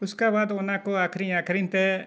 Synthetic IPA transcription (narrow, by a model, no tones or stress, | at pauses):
uskabad̪ɔnakɔakʰɾiɲakʰɾint̪ɛ